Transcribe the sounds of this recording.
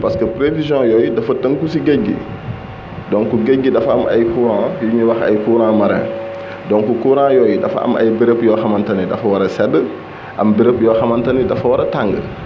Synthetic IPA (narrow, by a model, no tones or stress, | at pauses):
pɐskəpɾevizjɔ̃jɔjdɐfɐtɐŋkusiɡeɟːḭ | dɔŋkuɡeɟːidɐfɐmɐ̰jkuːɾãːjuɲiwɐxɐ̰jkuːɾãːmɐɾɛ̰̃ː | dɔŋkukuːɾãːjɔjdɐfɐ̰ɐ̰mɐ̰jbiɾəpjɔxɐmɐntɐnidɐfɐwɐɾɐsɛdə | ʔɐmbiɾəpjɔːxɐmɐntɐnidɐfɐwɐɾɐtaŋɡə̰